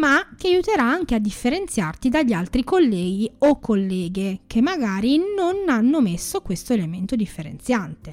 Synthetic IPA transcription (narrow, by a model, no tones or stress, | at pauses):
mat̪iajut̪eɾaaŋk̟ead̪ːifːeɾent̪sjart̪id̪aʎːialt̪ɾikolːɛːɡiokʰːolːɛːɡek̟ʰemːaɡaːɾinonanːomesːokwest̪oelement̪od̪ifːeɾḛnt̪sjant̪e